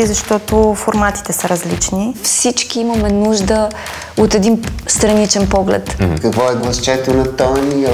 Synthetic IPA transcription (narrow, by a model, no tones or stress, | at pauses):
izɐʃt̪ɔt̪ofoɾmat̪i̥t̪ɛsəɾɐzlit͡ʃnifsit͡ʃkiimɐmɛnuʒd̪ə | ot̪ɛd̪inst̪ɾɐnit͡ʃɛnpɔɡlɛ̰t̪kɐkvɔɛɡlˠɐst͡ʃɛt̪onɐt̪ɔni